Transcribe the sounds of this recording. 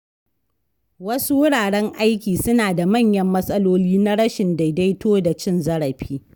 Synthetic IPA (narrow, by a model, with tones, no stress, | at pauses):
wɐ˦su˦wʊ˦ɽaː˨ɽɛ˦ŋʔa˦jkʲiː˨sʊ˦naː˨da˨mɐ˦˨ɲjɐ˦mːɐ˦sʼɐ˦loː˦liː˦na˦ɽɐ˦ʃɪ˨nda˨jda˦jtoː˦da˨t͡ʃɪ˦nzɐ˦ɽɐ˨ɸiː˦